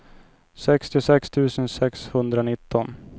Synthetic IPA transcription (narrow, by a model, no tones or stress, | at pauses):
sɛkst̪ɪʊsɛkst̪ʰʉ̟ːsənsɛkshɵnd̪ɾanɪt̪ːɔn